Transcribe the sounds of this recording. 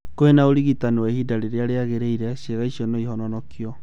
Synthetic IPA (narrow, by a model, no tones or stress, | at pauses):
koenaoɾiɣitanewahidaɾeɾeaɾeaɣeɾeiɾɛʃeɣaiʃiɔnɔihɔnɔnɔkjɔ